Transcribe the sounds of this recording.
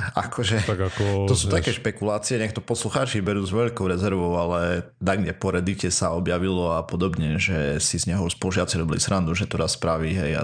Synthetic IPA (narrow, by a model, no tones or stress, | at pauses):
a̰kʰɔʒɛt̪aɡakɔɔsuːt̪akɛːʃpɛkulaːt͡siɛɲɛkt̪ɔpɔsluxaːt͡ʃibɛɾuːzʋɛʎkɔʊɾɛzɛɾʋɔʊalɛ | naɡɲɛpɔɾɛd̪icɛsaɔbjaʋilɔapɔd̪ɔbɲɛʒɛsizɲɛɦɔspɔluʒɪat͡siɾɔbilḭsɾand̪uʒɛt̪ɔɾasːpɾaʋiɦɛja̰